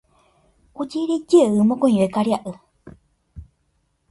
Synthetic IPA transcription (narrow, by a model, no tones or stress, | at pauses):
od͡ʒeɾid͡ʒeɨmõkõĩekaɾjaʔɨ